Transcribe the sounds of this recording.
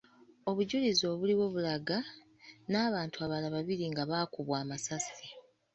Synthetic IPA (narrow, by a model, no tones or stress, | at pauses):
o̞βuɟulizo̞ːβuliwo̞ːβulaɡa | naːβaːntʰuaβalaβaβiɾiŋɡaβaːkuβwaːmasasi̥